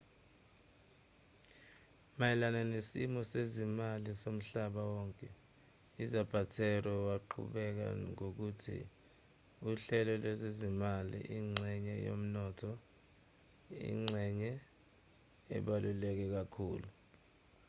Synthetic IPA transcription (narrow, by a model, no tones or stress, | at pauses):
majɛlananesimɔsezimalisom̩ɬaɓawɔːŋkʼɛ | izab̥ʱatʰɛrɛwaǃʰṵɓɛk̬a̰ŋok̬utʰḭ | uɬɛlɔlwɛzezimalḭʔiŋ͡ǀʱɛɲɛjo̰m̩nɔtʰɔ | ḭŋ͡ǀʱɛɲɛ | ɛ̰ɓalʔulɛk̬ɛk̬akʰṵːlu